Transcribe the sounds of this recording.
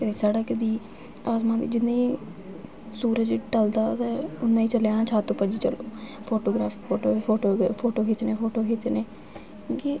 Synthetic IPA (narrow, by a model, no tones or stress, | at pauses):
kəd̪iːsaːɖaːkəd̪iː | aːzmãːd̪iːd͡ʒɪnːãːĩː | suːɾəd͡ʒʈəld̪aːt̪ãːʊnːãːĩːt͡ʃəljaːnãːt͡ʃʰaːt̪ːõːpəd͡ʒiːt͡ʃə̰loːpʰoːʈoːɡɾaːfiːpʰoːʈoːpʰoːʈoːpʰoːʈoːkit̪ːneːpʰoːʈoːkiːt̪eneː | keː